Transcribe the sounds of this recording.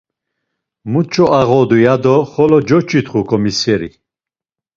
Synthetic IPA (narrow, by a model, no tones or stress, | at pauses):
mut͡ʃʰɔaʁɔd̪ujad̪ɔχɔlɔd͡ʒɔt͡ʃʰit̪χukʰɔmisɛɾḭ